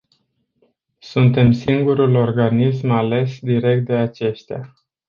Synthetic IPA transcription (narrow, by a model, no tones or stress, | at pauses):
sunt̪e̞msiŋɡuɾulo̞rɡanis̬male̞sd̪iɾe̞k̚t̪̚d̪e̞at͡ʃe̞ʃt̪ea̰